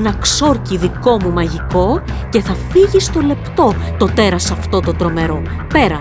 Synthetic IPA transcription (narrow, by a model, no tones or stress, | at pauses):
nɐkso̞ɾciðiko̞mumɐʝiko̞ce̞θɐfiʝist̪o̞le̞pt̪o̞t̪o̞t̪e̞ɾɐsɐft̪o̞t̪ot̪ɾo̞me̞ɾo̞ | pe̞ɾɐ